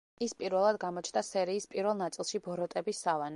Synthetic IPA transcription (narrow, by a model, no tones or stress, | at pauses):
ispʼiɾvɛlˠad̪ɡamɔt͡ʃʰnasɛɾiːspʼiɾvɛlˠnat̪sʼilˠʃibɔɾɔt̪ʼɛbisːavan